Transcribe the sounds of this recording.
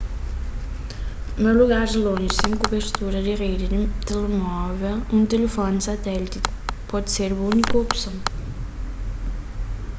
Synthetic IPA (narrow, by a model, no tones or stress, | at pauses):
noluɣaɾzlõnʒisẽŋkobeɾt̪uɾɐd̪iʁejd̪id̪t̪elemɔvɛlũnt̪elefɔnsat̪ɛlit̪ikpɔd̪seɾbunikuopsõ